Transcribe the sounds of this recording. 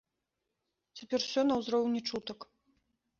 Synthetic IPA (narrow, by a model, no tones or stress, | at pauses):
t͡sʲapʲɛrwsʲɔnɐwzrɔwnʲɛt͡ʂut̪ɐk